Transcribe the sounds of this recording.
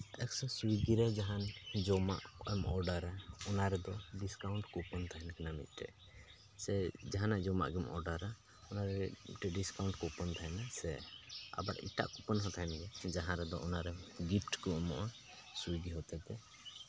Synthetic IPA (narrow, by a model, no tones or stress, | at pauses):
ɛksɔsuiɡiɾɛd͡ʒaɦand͡ʒɔma̰ʔɛmɔɾɖaɾaɔnaɾɛd̪ɔɖiskawɳʈkɔpɔnt̪ʰaɦɛnkɛnamḭt̪̚ˀʈɛ̰ʔ | sɛd͡ʒaɦanaʔd͡ʒɔma̰ʔɡɛmɔ̰ɾɖaɾa | ɔnaɾɛʈɛɖiskawɳʈkɔpɔnt̪ʰaɦɛnasɛa̰baɾḭʈa̰ʔkɔpənɦɔt̪ʰaɦɛnɡɛd͡ʒaɦãɾɛd̪ɔʔɔnaɾɛɡipʰʈkɔmɔʔa | suiɡiɦɔt̪ɛt̪ɛ